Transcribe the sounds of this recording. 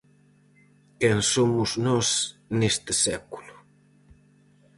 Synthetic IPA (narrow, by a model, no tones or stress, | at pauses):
keŋsomʊznɔsnest̪ɪsɛku̥lʊ̥